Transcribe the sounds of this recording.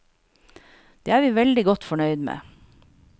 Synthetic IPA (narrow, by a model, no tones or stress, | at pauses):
d̪̥eːæːɾʋiːʋɛld̪ɪɡɔt̪fɔɳœʏd̪mḛː